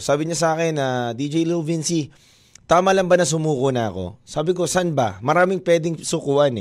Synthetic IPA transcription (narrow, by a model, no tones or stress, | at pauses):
saːbɪɲas̬ɐaːkɛnɐd̪id͡ʒɛjlovinsi | t̪aːmɐlɐmbɐnɐs̬ʊmuːkonɐɐ̰ko̞̰saːbɪko̞sɐnbɐ̰mɐɾaːmɪŋpwɛːd̪ɪŋsʊkʊʔanɛ